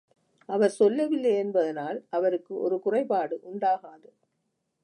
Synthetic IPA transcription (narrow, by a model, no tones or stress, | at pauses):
ʔɐʋɐɾsɔlːɐʋɪlːɐjɛnbɐðɪnaːlʔɐʋɐɾɯkːɯʔɔ̰ɾɯkʊrɐɪpaːɽɯʔʊɳɖaːɣaːðɯ